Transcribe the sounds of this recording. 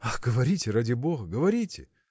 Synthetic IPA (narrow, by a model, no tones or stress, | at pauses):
axɡəvɐɾʲitʲɪradʲɪbo̞ɣəɡəvɐɾʲitʲɪ̰